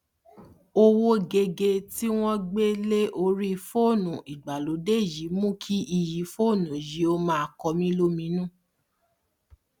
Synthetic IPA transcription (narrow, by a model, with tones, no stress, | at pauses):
o˧wo˦ɡe˧ɡe˧ti˦w̃ɔ̃˦ɡ͡be˦le˦ʔo˧ɾi˦˧fo˦˨nũ˨i˨ɡ͡ba˨lo˨˦de˦˨ji˨˦mũ˦kʰi˦ʔi˨ji˨˦fo˦˨nũ˨ji˨˦o˧˦mã˦a˨kɔ˧mĩ˦lo˦mĩ˨˦nũ˦˨